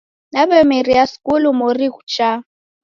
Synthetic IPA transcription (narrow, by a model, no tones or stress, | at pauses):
nabɛmeriaskʼulumoriku̥t͡ʃʼa